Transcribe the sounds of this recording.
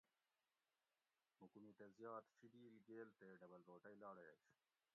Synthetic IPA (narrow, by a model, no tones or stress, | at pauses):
mukunit̪ɐzjɑːt̪fibiːlɡeːlt̪eɖɐbɐlɾoːʈɐjlɑːɽḛt͡ɕ